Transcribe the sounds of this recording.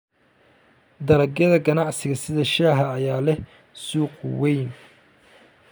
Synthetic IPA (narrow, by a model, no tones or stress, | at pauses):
d̪ɐɾɐɡjɐðɐɡɐnɑʕsɪɣɐsɪðɐʃaːɦɐːjaːlɛh | suːqʊwɛjn